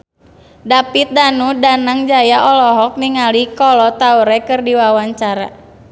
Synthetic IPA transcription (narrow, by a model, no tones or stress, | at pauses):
dapit̪̚danudanaŋd͡ʒajaʔɔlɔɦɔk̚niŋalikɔlɔt̪auɾɛkɨrdiwawaɲt͡ʃaɾa̰